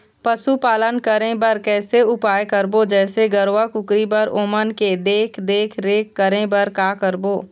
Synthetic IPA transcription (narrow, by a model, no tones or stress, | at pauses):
pəsupaːlənkəɾẽbɐɾkɛːseʊpaːjkəɾbod͡ʒɛːseɡəɾwakʊkɾibəɾoːmənked̪eːkʰd̪eːkʰɾeːkːəɾẽbəɾkaːkəɾboː